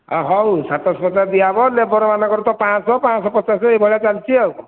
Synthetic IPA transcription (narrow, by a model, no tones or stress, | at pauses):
aɦɔwsat̪ɔspɔt͡ʃad̪ijabɔlebɔɾɔmanakɔɾt̪ɔpãsɔpãsɔpɔt͡ʃasɔebʱɔɭjat͡ʃalt͡ʃʰiawɔ